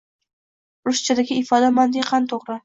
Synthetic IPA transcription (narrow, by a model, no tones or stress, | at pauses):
ɾʊʃt͡ʃʰad̪aɡʲɪɪfɒd̪amand̪ɪqʰɑnt̪ʰoʁɾɪ